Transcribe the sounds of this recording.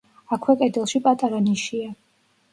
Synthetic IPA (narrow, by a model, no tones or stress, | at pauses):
akʰwɛkʼɛd̪ɛlˠʃipʼat̪ʼaɾaniʃia